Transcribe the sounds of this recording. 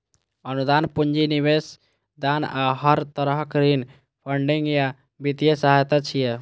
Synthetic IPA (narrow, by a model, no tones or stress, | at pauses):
ənud̪anpund͡ʒiniβes | d̪anaɦəɾt̪əɾəɦkɾin | pʰəɳɖiŋɡja | bit̪ijesaɦajt̪at͡ʃʰije